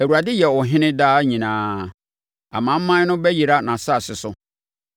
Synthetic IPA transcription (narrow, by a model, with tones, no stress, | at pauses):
æ˨wu˨ɾa˨dɪ˦jɛ˨wɔ˨ɦɪ̃˦nɪ̃˦daː˦ɲĩ˨nãː˨˦ | a̰˨mã˨˦m̩˦mã˦nʊ̃˦bɛ˦ji˨ɾa˦nã˨sa˦˨sɪ˨sʊ˦